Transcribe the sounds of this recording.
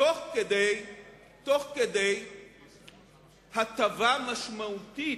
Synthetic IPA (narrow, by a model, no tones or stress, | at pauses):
oχked̪ej | to̞χked̪ej | hat̪avamaʃmauti